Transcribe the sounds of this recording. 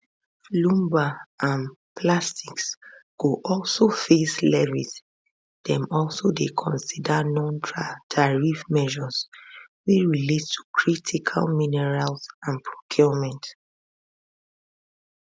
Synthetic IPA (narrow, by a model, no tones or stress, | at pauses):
flũmbaãn | plastiksɡ̥oʔɔlsofeslɛvis | d̥ɛ̃mɔlˠsodekʰɔ̃nsidanɔ̃ntʰatʰaɹifmɛʒɔsweɹilettʰu̥kʰɹitʰikʰa̰lminɛɹalsãnpʰɹo̥kʰjɔmɛ̃nt